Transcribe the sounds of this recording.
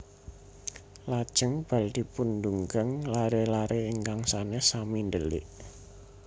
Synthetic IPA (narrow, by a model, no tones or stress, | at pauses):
lad̥ʒ̥ə̤ŋb̥a̤ld̪̥i̤pund̪uŋɡəŋlaɾelaɾʔeiŋkaŋsanesamindəlɪ̰ʔ